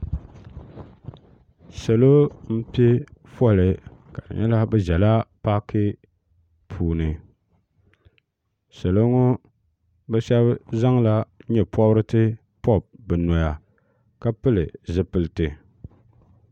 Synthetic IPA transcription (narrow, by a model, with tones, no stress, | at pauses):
sɛ˨lo˦m̩˦pi˦fɔ˦˨lɪ˨ka˨dɨ̰˨ɲɛ˦la˦bɛ˦ʒɛ˨la˦pa˦kʰɨ˦ | pʰuː˨nɨ˨ | sa˨lo˦ŋʊ˦ | bɛ˦ʃɛ˦bza˦ŋla˦ɲɛ˨pʰɔ˦bɾɨ˦tɨ˦ | pɔ˦˨b̚bɨ˨nɔ˨ja˨ | ka˦pɨ˦lɨ˨zɨ˦pɨ˨lɨ˨tɨ˨